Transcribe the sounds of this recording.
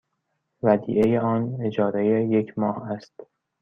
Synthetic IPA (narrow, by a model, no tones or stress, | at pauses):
væd̪ḭːʔejeɒːne̞d͡ʒɒːɾejeje̞kʰmɒːhæst̪